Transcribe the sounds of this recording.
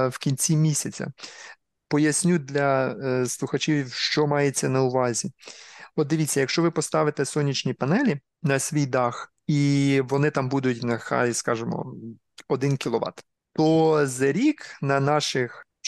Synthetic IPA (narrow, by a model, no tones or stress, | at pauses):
wkʲinʲt͡sʲimʲisʲɐt͡sʲɐ̰ | pɔjɐsʲnʲud̪lʲɐslˠʊxɐt͡ʃiwʲwʃt͡ʃɔmɑjet͡sʲːɐnɐʊʋɑzʲiɔt̪̚d̪ɪʋʲit͡sʲːɐjɐkʃt͡ʃɔʋɪpɔst̪ɑʋɪt̪ɛsɔnʲːit͡ʃnʲipɐnɛlʲi | nɐsʲʋʲijd̪ɑx | iʋɔnɪt̪ɑmbud̪ʊtʲnɐxɑ̰ɾʲiskɑʒemɔ̰ | ɔd̪ɪnkʲilˠɔʋɑ̰t̪ | t̪ɔzɐɾʲiknɐnɑʃɪx